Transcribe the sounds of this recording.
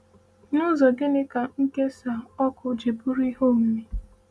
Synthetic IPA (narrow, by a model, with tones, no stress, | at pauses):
nʊ˦zɔ˨ɡɪ˦nɪ˦ka˨ŋ̩˦ke˦sa˨ɔ˦kʊ˦d͡ʒe˨bu˦ɾi˦ɦo˦˨m̩˨me˨